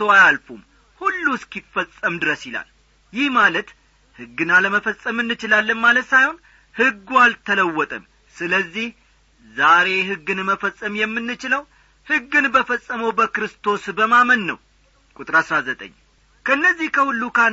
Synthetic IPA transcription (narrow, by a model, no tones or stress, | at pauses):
t̪oajalfum | hulːuskifəsʼəmd̪ɨɾəsɪla̰l | jɪhmalət̪ | hɨɡːɨnaləməfəsʼəmɨnːɨt͡ʃɪlalːɨnmalət̪sajhon | hɨɡːualt̪ʰələwːɔt̪ʼəm | sɨləzːih | zaɾe̞ɦɨɡːɨnməfəsʼːəmjɛmːɨnːɨt͡ʃɪləw | hɨɡːɨnbəfəsʼəməwbəkɾɨst̪ʰo̞sbəmamənːə̰w | kʼut̪ʼɨɾasɾazət̪ʼə̰ɲː | kʰəɨnːəzːihkʰəhulːukʰa